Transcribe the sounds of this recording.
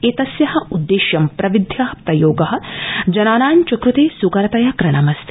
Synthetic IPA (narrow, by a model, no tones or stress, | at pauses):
eːt̪ɐsjɐɦɐ̆ud̪ːeːʃjɐmpɾɐʋid̪ʱjɐɦɐpɾɐjoːɡɐɦɐ̆d͡ʒɐnaːnaːɲt͡ʃɐkɾut̪eːsuɡɐɾɐt̪ɐjɐkɾɐɳɐmɐst̪i